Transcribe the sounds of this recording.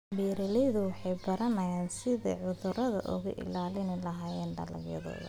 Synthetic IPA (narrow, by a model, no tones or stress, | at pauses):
bɛːɾɛlɛjðʊwɑħɑjbɐɾɐnɐjaːnsɪðɐ̰ʕʊðʊɾɐðɐ̰ʔʊ̰ɣʊ̰ʔɪ̰laːlɪnɪlɐɦaːjɛːnɖ̪ɐlɐ̰ɡjɐ̰ðɔ̰ː